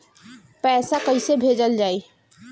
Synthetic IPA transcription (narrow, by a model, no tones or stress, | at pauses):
pɛːsakəisebʱed͡ʒəld͡ʒaːi